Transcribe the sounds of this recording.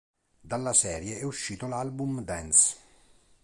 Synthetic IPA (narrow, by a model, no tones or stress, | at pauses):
d̪alːasɛːɾjeɛuʃːiːt̪olalbumd̪ɛns